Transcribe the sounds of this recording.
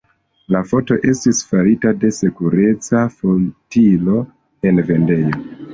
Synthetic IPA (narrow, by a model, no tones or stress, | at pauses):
lafo̞to̞ʔe̞stisfaɾitade̞se̞kuɾe̞t͡safotilo̞ | e̞nve̞nde̞jo̞